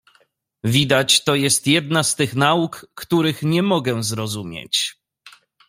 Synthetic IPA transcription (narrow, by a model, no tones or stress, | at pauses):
vʲid̪at͡ɕt̪ɔjɛst̪jɛd̪nast̪ɘxnaukːt̪uɾɘxɲɛmɔɡɛzɾɔzumʲjḛt͡ɕ